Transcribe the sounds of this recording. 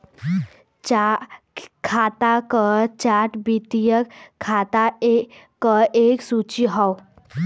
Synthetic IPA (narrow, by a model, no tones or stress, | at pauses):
t͡ɕa | kʰat̪akət͡ɕaʈbit̪ijəkkʰːat̪aekːəʔeksut͡ɕiɦaw